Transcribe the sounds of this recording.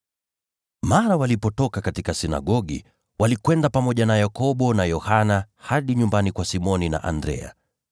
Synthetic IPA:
maɾawalipɔtɔkakatikasina̰ɠɔɠi | walikwɛndapamɔʄanajakɔɓɔnajɔhana | haɗiɲumbanikwasimɔnina̰ʔa̰ndɾɛ̰a̰

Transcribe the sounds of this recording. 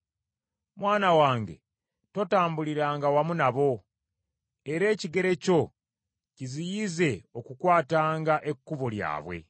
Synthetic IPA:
mwaːnawaːŋɡe̞̰ | to̞taːmbuliɾaːŋɡawamunaβo̞ | e̞ɾe̞ːciɡe̞ɾe̞co̞ | cizijize̞o̞kukwaːtaːŋɡaʔe̞kːuβolja̰ːβwe̞̰

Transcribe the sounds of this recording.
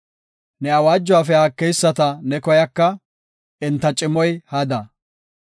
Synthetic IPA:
nɛɐwaːd͡ʒːɔwaːfɛaːkːɛjsːɐt̪ɐnɛkɔjɐkːɐ | ɪnt̪ːɐt͡ʃʼɪmɔjhɐd̪ɐ

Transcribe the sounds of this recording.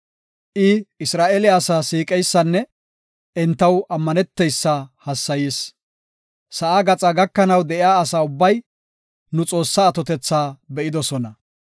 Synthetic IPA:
ʔɪɪsɾaːʔeːlɪaːsaːsiːkʼɛjsːɐnːɛ | ɛnt̪ːɐwɐmːɐnɛt̪ːɛjsːɐhɐsːɐjiːs | sɐʔaːɡɐt͡sʼɐɡɐkːɐnɐwd̪ɛʔɪjaːɐsaːʊbːɐj | nʊt͡sʼo̞ːsːaːt̪ɔt̪ɛt͡sːaːbɛʔɪd̪ɔsɔnɐ

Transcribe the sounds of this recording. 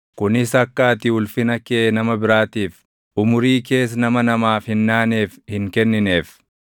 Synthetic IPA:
kʊnɪsɐkːaːt̪ɪʊlfɪnɐkeːnɐmɐbɪɾaːt̪iːf | ʊmʊɾiːke̞ːs̬nɐmɐnɐmaːfhɪnːaːneːfhɪŋkɛnːɪne̞ːf

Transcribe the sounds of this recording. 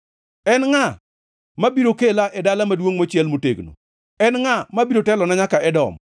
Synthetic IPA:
ɛnŋa | mabiɾokelaʔɛdalamadwoŋmot͡ʃjɛlmotḛɡno̰ | ɛnŋamabiɾotɛlɔnaɲakaɛdɔ̰m

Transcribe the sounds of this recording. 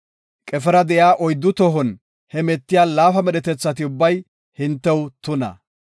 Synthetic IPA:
kʼɛfɛɾɐd̪ɛjaːʔɔjd̪ːʊt̪ɔɦɔn | hɛmɛt̪ːɪjaːlaːfɐmɛɗɛt̪ɛt͡sːɐt̪̬ɪʊbːɐj | hɪnt̪ːɛwt̪ʊnɐ̰

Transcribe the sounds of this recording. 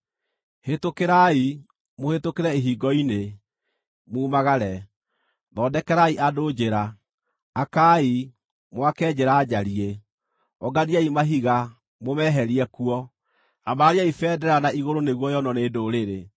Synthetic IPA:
hetokeɾai | mohetokeɾɛiɦiɡɔine | muːmaɣaɾɛ | ðɔːdɛkɛɾaiʔadod͡ʑeɾaː | kai | mwakɛd͡ʑeɾaːd͡ʒaɾie | ɔɡadiaimaɦiɣa | momɛɦɛɾiɛkuɔ | amaaɾiaifɛːdɛɾanaiɣoɾoneɣwɔjɔnɔneːdoɾeɾe

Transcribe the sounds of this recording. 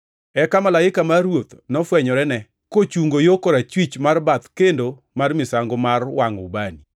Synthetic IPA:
ɛkamalaɪkamarwot̪nɔfwɛɲɔɾɛnɛ | kot͡ʃuŋɡojokoɾat͡ʃwit͡ʃmarbat̪kendo | marmɪsaŋɡomarwaŋʊ̰bani

